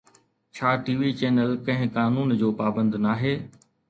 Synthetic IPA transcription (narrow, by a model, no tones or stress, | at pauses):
t͡ɕʰaːʈiːʋiːt͡ɕeːnəlkɐ̃ɦɪ̃kaːnuːnd͡ʑoːpaːbə̃nd̪naːɦeː